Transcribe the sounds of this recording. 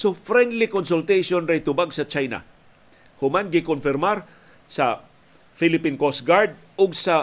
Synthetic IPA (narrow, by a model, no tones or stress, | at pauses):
sofɾɛnd̪lɪkonsʊlt̪ɛjʃonɾɛjt̪ʊbaɡsɐt͡ʃajna̰ | hʊmanɡɪkʊnfɪɾmaɾ | sɐ̰ | fɪlɪpinkosɡaɹd̪̚ | ʊɡsɐ